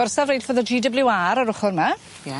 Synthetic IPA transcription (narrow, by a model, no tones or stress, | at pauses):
ɔrsavrejlfvɔːðɔd͡ʒiːdəblɪwaɾaɾʊχɔrma